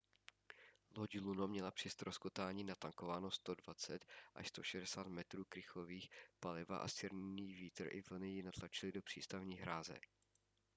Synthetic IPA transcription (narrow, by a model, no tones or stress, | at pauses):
loɟlunomɲɛlapr̝̥ɪst̪ɾo̞skot̪aːɲiːnat̪aŋko̞vaːno̞st̪o̞dvat͡sɛt̪ʔa̰ʃst̪o̞ʃɛdɛsaːt̪mɛt̪ɾuːkɾɪxoviːxpalɪva̰ʔa̰st͡ʃɪɾnɲiːviːt̪r̩ʔɪ̰vl̩nɪjɪnat̪lat͡ʃɪlɪdo̞pr̥ḭːst̪avɲiːɦɾaːzɛ̰